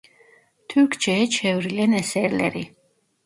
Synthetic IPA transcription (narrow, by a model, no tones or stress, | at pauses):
t̪ʰukʰt͡ʃʰɛt͡ʃʰɛvɾilɛnɛsɛɾlɛ̰ɾi